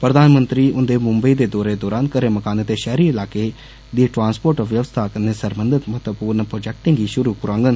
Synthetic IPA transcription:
pɾəd̪aːnmənt̪ɾiːʊnd̪eːmʊ̃mbəiːd̪eːd̪ɔːɾeːd̪ɔːɾaːnkəɾeːməkaːnet̪eʃɛːɾiːɪlaːkeː | d̪iːʈɾãːnspoːɾʈɔʋjəʋəst̪ʰaːkənesəɾbənd̪ɪt̪mət̪əpuːɾnpɾoːd͡ʒɛːk̚ʈɪ̃ŋɡiːʃʊɾuːpʊɾãːŋɡən

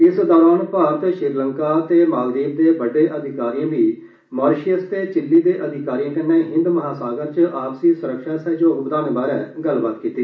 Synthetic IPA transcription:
ɪsd̪ɔːɾaːnpaːɾət̪ʃɪɾləŋkaːt̪eːmaːɡɾiːb̚d̪eːbəɖeːʔəd̪ʱɪkaːɾijãːbiː | maːɾʃijəst̪eːt͡ʃɪlːiːd̪eːʔəd̪ʱɪkaːɾiːãːkɪnːẽːɦɪ̃nd̪məɦaːsaːɡəɾt͡ʃəʔaːpsiːsʊɾəkʃaːsɛːd͡ʒoːʊpd̪aːnbaːɾɛːɡəlbaːt̪kiːt̪iː

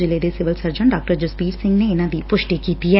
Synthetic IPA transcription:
d͡ʒɪlːed̪esɪʋɐlsɐɾd͡ʒɐɳɖaːk̚ʈɐɾd͡ʒuspiːɾsɪ̃ŋɡneenaːd̪ipʊʂʈikiːt̪ije

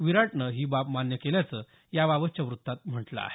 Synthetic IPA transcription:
ʋiɾaʈɳəɦiːbapmanjəkeljat͡sə | jaʋaʋət͡ɕaʋɾut̪ːat̪m̤əʈla̰a̰ɦe

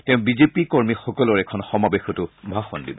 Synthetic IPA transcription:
tɛʊ̃bizepikoɹmixɔkɔlɔɹɛkʰɔnxɔmabexɔtʊbʱaxɔndḭbɔ

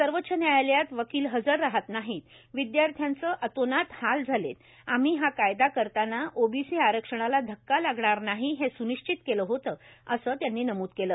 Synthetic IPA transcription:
səɾʋət̪ːɕʰənjajljat̪ʋəkiːlɦəd͡zəɾːaɦat̪naɦiːt̪ | ʋid̪jaɾt̪ʰjant͡səːʔət̪onat̪hald͡zʱalḛt̪ | am̤iːɦakajd̪akəɾt̪anːaʔobisiːaɾəkʂəɽ̃alad̪ʱəkːalaɡɳaɾnaɦiːɦesuniʂt͡ɕit̪keləɦot̪əːəsəːt̪janːiːnəmuːd̪keləː

